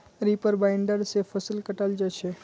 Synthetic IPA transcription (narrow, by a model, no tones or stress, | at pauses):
ɾipəɾbaɪɳɖəɾsefʰəsilkəʈald͡ʒət͡ʃʰe